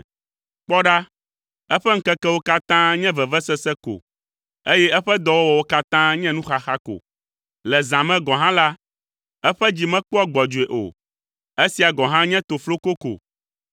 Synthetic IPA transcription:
k͡pɔ˦ɖa˦ | ɛ˦ɸɛ˦ŋ̩˦kɛ˦kɛ˦wo˦ka˦t̪ã˦ɲɛ̃˦vɛ˨vɛ˦sɛ˦sɛ˦ko̰˨ | e˦jɛ˦ɛ˦ɸɛ˦d̪ɔ˨wo˦wɔ˨wo˦ka˦t̪ã˦ɲɛ̃˦nũ˦xa˨xa˦ko̰˨ | lɛ˨zã˨mɛ̃˦ɡɔ̃˨ɦã˦la˦ | ɛ˦ɸɛ˦d͡ʑi˨mɛ̃˦k͡pu˦a˦ɡ͡bɔ˨d͡ʒu˨e˨ʔo̰˨ | e˦si˨a˨ɡɔ˨ɦã˦ɲɛ̃˦t̪o˨flo˦ko˦ko̰˨

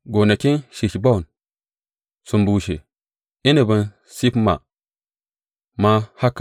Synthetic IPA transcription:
ɡo˨na˨ki˦nʃi˨ʃi˨ba˦u˨n | su˨mbu˨ʃḛ˨ | i˦ni˨bu˨n | si˦pma̰˨ | ma˦ha˦kːa˨

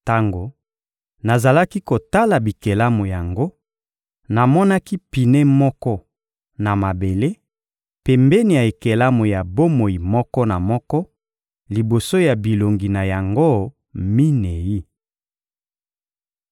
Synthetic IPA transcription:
ta˦ŋɡo˨ | na˨za˨la˦ki˦ko˨ta˦la˨bi˨ke˨la˦mo˨ja˨ŋɡo˦ | na˨mɔ˦na˦ki˦pi˨ne˦mɔ˦kɔ˦ | na˨ma˨be˨le˦ | pɛ˨mbɛ˦ni˨ja˨e˨ke˨la˦mo˨ja˨bo˦mo˨ji˨mɔ˦kɔ˦na˨mɔ˦kɔ˦ | li˨bo˨so˦ja˨bi˨lo˨ŋɡi˨na˨ja˨ŋɡo˦ | mi˦ne˨ji˦

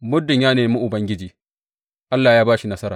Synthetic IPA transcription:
mʊ˦rdɪ˨ɲjaː˦neː˨mu˦ʔʊ˨bɐ˦ŋɡʲɪ˦d͡ʒiː˨ | ʔa˦lːaː˨jaː˦baː˦ʃi˨nɐ˦sɐ˦ɾaː˨

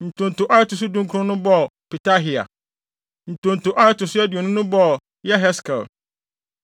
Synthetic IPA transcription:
n̩˨tʰʊ̃˨n̩˨tʊ˨ʔa˦ɛ˦tʊ˨s̬ʊ˦dũ˦ŋkʰʊ˦ɾʊ̃˦nʊ̃˦bɔ˦˨pi˨tʰa˦ɦi˨a̰˨ | n̩˨tʰʊ̃˨n̩˨tʊ˨ʔa˦ɛ˦tʊ˨sʊ˦æ˦di˨ɔ˨nʊ̃˦nʊ̃˦bɔ˦˨ | jɛ˦ɦɛ˦skʰa̰˨l

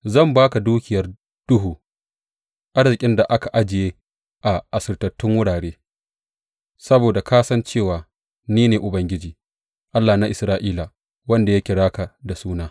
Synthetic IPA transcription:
zɐ˦˨mbaː˦ka˨duː˦kʲɪ˨jɐ˨r | d̥ʊ˦ɦuː˨ | ʔa˦rzɪ˨kʲʼɪ˦nda˨ʔa˦ka˨ʔa˦d͡ʒɪ˨jeː˦ | ʔa˨ʔa˨sɪ˨rtɐ˨tːʊ˦ŋwʊ˦ɽaː˨ɽeː˦ | sɐ˦boː˨da˨kaː˦sɐ˦nt͡ʃeː˦˨waː˨ | niː˦neː˨ʔʊ˨bɐ˦ŋɡʲɪ˦d͡ʒiː˨ | ʔa˦lːa˨na˦ʔɪ˨sɾaː˦ʔiː˦la˨ | wɐ˦nda˨ja˦kʲɪ˨ɽaː˦ka˨da˨suː˦naː˦

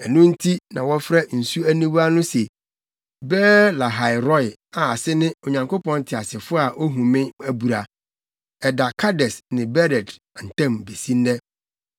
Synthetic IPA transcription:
ɛ˨nʊ̃˦n̩˦tʰi˦nã˨wɔ˦fɾɛ˦n̩˨su˦æ˦nĩ˦wa˦nʊ̃˦se˨ | bɛː˦la˨ɦa˨ɪ˨ɾɔ˦ja˨a˨sɪ˦nɪ̃˦o˨ɲã˨ŋkʰo˦pɔ̃˦n˦tʰɪ˨a˨sɪ˨fʊ˦a˨ʔo˦ɦũ˨mɪ̃˦æ˦bu˨ɾa˨ | ɛ˨da˨kʰa˦dɛ˨snɪ̃˨bɛ˦ɾɛ˨d | n̩˨tã˦˨mbe˨sĩ˦n˦dɛ˦

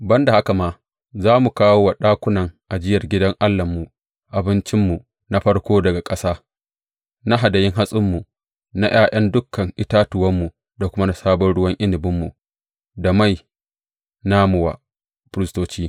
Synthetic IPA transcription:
bɐ˦nda˨ha˦ka˨maː˦ | zaː˦mu˨kaː˦woː˦wa˨ɗaː˦kʷʊ˦nɐ˨ŋʔa˨d͡ʒɪ˦jɐ˨rɡʲɪ˦dɐ˦ŋʔa˦lːɐ˨mːu˨ | ʔa˨bɪ˦nt͡ʃɪ˦mːu˨ | na˦ɸɐ˦rkʷoː˦dɐ˨ɡa˨kʼɐ˦saː˦ | na˦ɦa˨da˨jɪ˦ŋɦa˦sʼɪ˦mːu˨ | na˦j̰aː˦˨j̰ɐ˦ndʊ˦kʰːɐ˨ŋʔɪ˦taː˦tʊ˨wɐ˦mːu˨ | da˨kʷʊ˦ma˦na˨saː˦bɔ˦nɽʊ˦wɐ˦ŋʔɪ˦nɪ˨bɪ˦mːṵ˨ | da˨ma˦˨j | na˦mʊ˨wa̰˨ | pɾɪ˦stoː˦t͡ʃiː˦

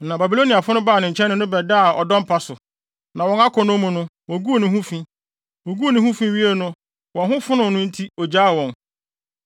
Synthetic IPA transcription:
nã˨ba˨bi˨lo˦ni˨a˨fʊ˦nʊ̃˦baː˦˨nɪ̃˨ɲ̩˨t͡ɕʰɛ̃˦nɪ̃˦nʊ̃˦bɛ˨da˦˨ɔ˨dɔ̃˦m̩˦pʰa˦sʊ˨ | nã˨wɔ̃˨na˦kʰɔ̃˨nʊ̃˦mũ˨nʊ̃˦wɔ̃˨ɡu˦o˨nɪ̃˨ɦũ˦fĩ˦ | wɔ˨ɡu˦o˨nɪ̃˨hũ˦fĩ˦ɥi˦e˦nʊ̃˦ | wɔ̃˨nɦʊ̃˦fʊ˦nʊ̃˨nʊ̃˦n̩˦tʰi˦ɔ˨d͡ʑaː˦˨wɔ̃˨n

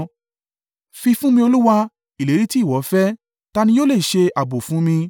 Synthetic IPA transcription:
fi˧fũ˦mĩ˧˦o˧lu˦wa˧ | i˨le˨˦ɾi˦ti˦˨wɔ˨˦fɛ˦ | ta˧nĩ˧˦jo˦le˦˨ʃe˧a˨bo˨fũ˨˦mĩ˧

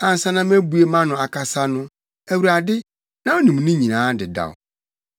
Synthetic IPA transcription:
ã˨n̩˨sã˦nã˦m˦æ˦bu˨˦e˦mã˦nʊ̃˨a˨kʰa˨sa˦nʊ̃˦ | æ˨wu˨ɾa˨dɪ˦ | nã˨˦o˦nĩ˨m˨nʊ̃˦ɲĩ˨nãː˨˦dɪ˨da̰˨w̰

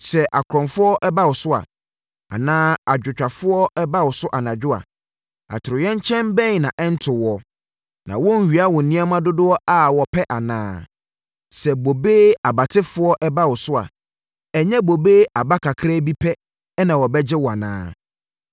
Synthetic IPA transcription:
sɛ˨ʔa˨kʰɾɔ̃˨nfʊ˦ɔ˦ʔɛ˦ba˦wɔ˨sʊ˦a̰˨ | a̰˨nãː˦a˨d͡ʑᶣʊ˨t͡ɕᶣa˨fʊ˦ɔ˦ɛ˦ba˦wɔ˨sʊ˦ʔa˨nã˨d͡ʑᶣʊ˦a̰˨ | a̰˨tʰɪ˨ɾɪ˨jɛ̃˦ɲ˦t͡ɕʰɛ̃˦mbɛ̃˦ɲ˨nã˨ʔɛ˦n̩˦tʰɪ˨wɔ˨ | nã̰˨wɔ̃˦n̩˨ɥi˨a˦wɔ̃˨nĩ˦a˦mã˦dʊ˦dʊ˦ɔ˦ʔa˨wɔ˨pʰɛ˦ʔa˨nãː˦ | sɛ˨bo˨beː˦a˨ba˨tʰɪ˦fʊ˦ɔ˦ʔɛ˦ba˦wɔ˨sʊ˦a̰˨ | ɛ˨ɲɛ̃˦bo˨be˦a˨ba˦kʰa˨kʰɾa˦bi˦pʰɛ˦ | nã˨wɔ˨bɛ˦d͡ʑɪ˦wɔ˨a˨nã̰ː˦

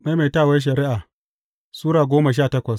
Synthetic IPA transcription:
ma˦ma˨taː˦˨wa˦ʃ̬ɐ˨ɾɪ˦ʔaː˨ | suː˦ɾaː˨ɡʷoː˦ma˨ʃaː˦˨tɐ˦kʷɐ˨s

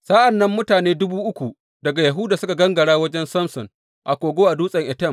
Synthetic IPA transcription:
saː˦ʔa˨nːɐ˦mːʊ˦taː˨neː˦dʊ˦buː˦ʔʊ˦kʷu˨ | dɐ˨ɡa˨jɐ˨ɦʊ˦daː˨sʊ˦ka˨ɡɐ˦ŋɡɐ˨ɽaː˦wɐ˦d͡ʒɛ˦nsɐ˦msɔ˨ŋ | ʔa˨kʷoː˨ɡʷoː˦ʔa˨duː˦sʼɐ˨ŋʔɛ˨tɛ˦˨m

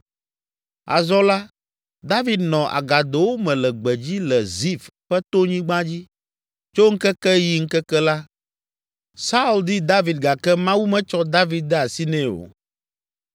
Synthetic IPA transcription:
a̰˨zɔ˦la˦ | d̪a˦vi˨d̪nɔ̃˨ʔa̰˨ɡa˨d̪o˨wo˦mɛ̃˨lɛ˨ɡ͡bɛ˨d͡ʑi˦lɛ˨zi˦˨fɸɛ˦t̪o˦ɲĩ˦ɡ͡bã˦d͡ʑi˦ | t͡ʃo˦ŋ̩˦kɛ˦kɛ˦ji˦ŋ̩˦kɛ˦kɛ˦la˦ | sa˦u˦ld̪i˦d̪a˦vi˨d̪̚ɡa˨kɛ˦mã˦wu˦mɛ̃˦t͡ʃɔ˦d̪a˦vi˨d̪̚ːɛ˦a˨si˦nɛ̃˦o̰˨

